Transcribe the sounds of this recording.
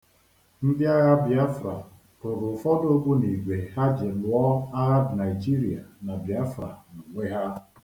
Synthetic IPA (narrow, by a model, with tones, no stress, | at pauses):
n̩˦dɪ˦a˦ɣa˦bi˨a˦fɾa̰˨ | pʊ˨ɾʊ˨fɔ˦do˦ɡʷu˦ni˨ɡʷe˨ha˦d͡ʒɪ˨lʊ˨ɔ˦a˦ɾa˦bna˨i˨d͡ʒi˦ɾi˨a̰˨na˨bi˨a˦fɾa̰˨nu˨ŋʷe˦ɦa˦